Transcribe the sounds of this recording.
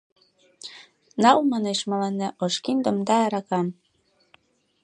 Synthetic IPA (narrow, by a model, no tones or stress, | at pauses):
nɑlmɑneʃmɑlɑnːæʔoʃkind̪ŏmd̪ɑːɾɑkɑm